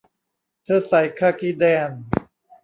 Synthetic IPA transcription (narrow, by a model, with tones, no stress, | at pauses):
t̪ʰɤː˧˩sa˨˩˦jkʰaː˧˩ki˧˥dɛː˧˩n